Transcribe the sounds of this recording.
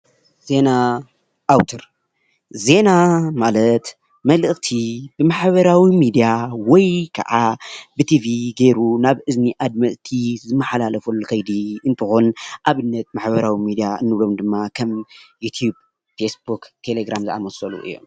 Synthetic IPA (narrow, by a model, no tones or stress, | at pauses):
z̥e̞na | ʔawt̪ʰɐɾ | ze̞namalɐt̪ | mɐlɨʔt̪ʰibɨmaħbɐɾawimid̪ijawɔjkʰɐ̰ʕabɨt̪ʰiviɡeɾunaβʔɨzniʔad̪̚mɐʔt̪ʰizɨmːɐħalalɐfulɨkʰɐjd̪iɨnt̪ʰɨxonʔaβɨnːɐt̪̚maħβɐɾawimid̪ijaɨnːɨβlo̞md̪ɨmːakʰɐmjut̪ʰjub̚ | fesbukt̪ʰeleɡɾamzɨʔa̰mɐsɐlṵʔɨ̰jːo̞̰m